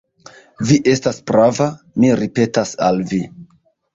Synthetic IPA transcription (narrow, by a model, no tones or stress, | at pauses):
viʔe̞staspɾava | miɾipe̞tasa̰lvi